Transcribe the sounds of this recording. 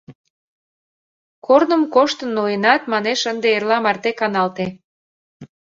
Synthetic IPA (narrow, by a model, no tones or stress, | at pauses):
kornə̆mkoʃt̪ənːojənɑt̪mɑneʃənd̪eerlɑmɑrt̪ekɑnɑlt̪e